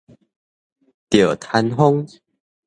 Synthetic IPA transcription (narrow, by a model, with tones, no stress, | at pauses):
t̪jə˨˩t̪ʰa˧nɦo˦˥ŋ